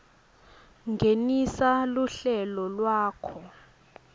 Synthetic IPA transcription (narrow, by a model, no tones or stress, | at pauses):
ŋɡʱenisaluɬɛlɔlwaːkʰɔ